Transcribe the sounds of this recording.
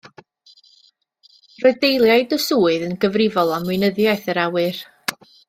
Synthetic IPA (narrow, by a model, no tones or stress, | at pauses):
roɨdejlˠjajdəsuːɨðənɡəvrɪvɔlˠamwɪnəðjajθəɾawɨr